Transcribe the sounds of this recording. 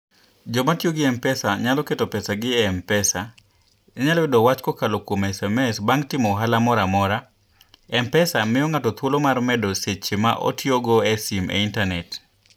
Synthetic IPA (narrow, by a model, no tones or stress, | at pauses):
d͡ʒɔmatjoɡɪɛmpɛsaɲalɔketopɛsaɡɪɛmpɛsa | ɲalɔwɪdɔwat͡ʃkɔkalokwomɛsɛmɛsbaŋtɪmɔɦalamɔɾamɔɾa | ɛmpɛsamɪjɔŋatɔt̪wolomarmɛdoset͡ʃema̰ʔo̰tjoɡɔɛsimʔḛintanɛt